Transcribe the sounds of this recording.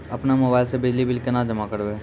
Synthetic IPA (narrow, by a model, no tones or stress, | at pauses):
ɐpnamoːbaːɪlsebɪd͡ʒlibɪlkenad͡ʒɐmakəɾbeː